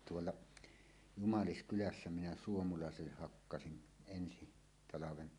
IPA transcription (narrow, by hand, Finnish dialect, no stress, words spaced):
tuolːɑ jumɑliskylæsːæ minæ suomulɑˑeselːeh hɑkːɑsin ensi tɑlɑʋen